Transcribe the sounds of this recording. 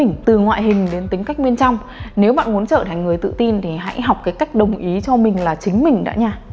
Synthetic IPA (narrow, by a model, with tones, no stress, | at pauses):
ŋ̟t̪ɨ˨˩ŋwa̰ː˧˨jɦï˨˩ŋ̟ɗe˨˦nt̪ï˨˦ŋ̟ka˦˥jk̟̚mi˧ənt͡ɕa˧wŋ͡m | ne˨˦wɓa̰ː˧˨nmu˨˦ənt͡ɕəː˧˩t̪ʰa˨˩ŋ̟ŋɨ˨˩əjt̪ɨ̰˧˨t̪i˧nt̪ʰi˨˩ɦa̰˧˥jɦa˨˩wk͡p̚kaː˨˦jka˦˥jk̟̚ɗə˨˩wŋ͡mʔi˨˦t͡ɕɔ˧mï˨˩ŋ̟laː˨˩t͡ɕï˨˦ŋ̟mï˨˩ŋ̟ɗa̰ː˧˥ɲaː˧